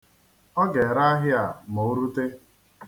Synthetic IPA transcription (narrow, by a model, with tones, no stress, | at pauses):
ɔ˦ɡe˨ɾa˦a˦ɦɪ˦a˨mo˨˦ɾu˦te˦